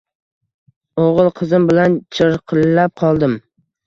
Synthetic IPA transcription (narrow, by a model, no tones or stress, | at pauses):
oʁɨlˠqʰɨzɪmbɪlant͡ʃʰɪɾqʰɨlːap̚qʰɒlˠd̪ɪm